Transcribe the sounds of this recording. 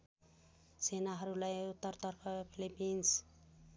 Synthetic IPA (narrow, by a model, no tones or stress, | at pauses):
senaɦʌɾulajut̪ːʌɾt̪ʌɾpʰʌpʰilipint͡sʰ